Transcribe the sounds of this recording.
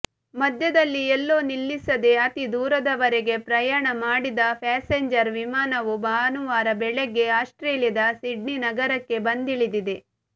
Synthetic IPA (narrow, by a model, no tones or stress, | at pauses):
mɐd̪ʱjɐd̪ɐlːiɛlːoːnilːisɐd̪e̞ɐt̪id̪uːɾɐd̪ɐʋɐɾeɡe̞pɾɐjaːɳɐmaːɽid̪ɐpʰɛːseɲd͡ʒɐɾʋimaːnɐʋubaːɐnuʋaːɾɐbɛɭeɡe̞aːsʈɾeːljɐd̪ɐsiɖninɐɡɐɾɐkːe̞bɐnd̪iɭid̪id̪e̞